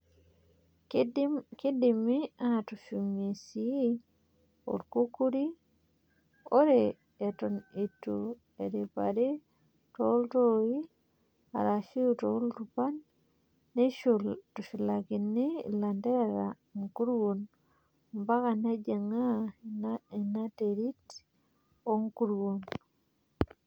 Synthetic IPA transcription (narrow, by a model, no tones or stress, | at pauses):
kidimiatuʃumisi | o̰ɾkukuɾi | oɾeː | tonitːu | eɾipa̰ɾi | toltoji | a̰ɾaʃiutoultupanː | eʃultuʃilakinːilandeɾa | ŋkuɾwun | mbakaned͡ʒeŋanainateɾit | oŋkuɾwun